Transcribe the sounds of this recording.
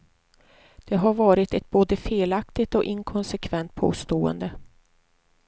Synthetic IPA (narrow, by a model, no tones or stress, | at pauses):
d̪̥ɛɦaɾvɑːɾɪt̪ɛt̪̚boːd̪əfeːlakt̪ɪt̪ɔʔɪŋkʰɔnsɛkʰvɛnt̪̚pʰo̰ːst̪oːə̰nd̪ə